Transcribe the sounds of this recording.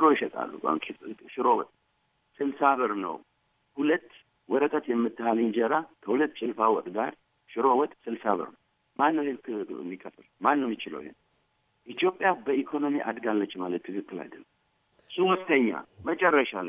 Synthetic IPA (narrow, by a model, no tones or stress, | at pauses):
ʃɨɾo̞jɪʃɛt̪ʼa̰lːṵkʼa̰ŋkʼiʃɪɾowɔ̰t̪ʼ | sɨlsaβəɾnə̰w | hulət̪ː | wɔɾək̪ʼət̪jɛmːɨt̪ːɨhalɨnd͡ʒɛɾakʰəhulət̪ːt͡ʃʼɪlfawɔt̪ʼɡa̰ɾ | ʃɪɾowɔt̪ʼsɨlsaβə̰ɾnəw | manːəwhenkʰɨ̰mːikʼət̪ʼːɨlmanːəwmjɪt͡ʃɪlə̰whḛn | ʔit̪jo̞pʼːjabəikʰo̞no̞miʔa̰d̪ɡalːət͡ʃːmalət̪ːʰɨkʰɨkːɨla̰d̪əlːəm | suwɔst̪əɲːa̰mət͡ʃʼɛrːəʃalːə